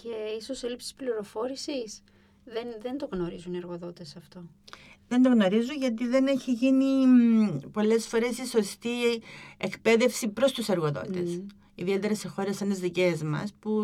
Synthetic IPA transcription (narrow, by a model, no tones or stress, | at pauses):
ceiso̞selipsi̥spliɾo̞fo̞ɾisis | ðenðe̞nd̪o̞ɣno̞ɾizunieɾɣo̞ðo̞t̪esɐft̪o̞ | ðe̞nd̪o̞ɣno̞ɾizunʝɐt̪̬iðe̞ne̞çiʝini | po̞le̞sfo̞ɾe̞siso̞st̪iekpe̞ðe̞fsipɾo̞st̪use̞ɾɣo̞ðo̰t̪e̞̰s | iðie̞t̪e̞ɾɐse̞xo̞ɾesenezðice̞zmɐ̰spu